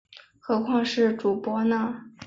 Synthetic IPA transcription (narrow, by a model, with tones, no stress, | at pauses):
xɤ˧˥kʰwɑ˥˧ŋʂɻ̩˥˩ʈ͡ʂu˨˩pwɔ˧˥nə˧